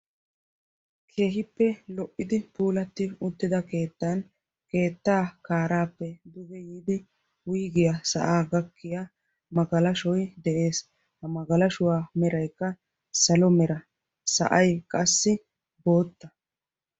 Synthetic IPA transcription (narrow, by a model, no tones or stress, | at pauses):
kʰe̞ːɦɪpːɛlɔʔːɪd̪ɪpuːlɐt̪ːɪʊt̪ːɪd̪ɐke̞ːt̪ːan | ke̞ːt̪ːaːkaːɾaːpːɛd̪ʊɡɛjiːd̪ɪ | wʊjɡɪjasɐ̰ʔaːɡɐkːɪja | mɐɡɐlɐʃɔjd̪ɛʔe̞ːs | hɐmɐɡɐlɐʃʊwaːmɛɾɐjkːɐ | sɐlɔmɛɾɐ | sɐ̰ʔɐjkʼɐsːɪ | bo̞ːt̪ːɐ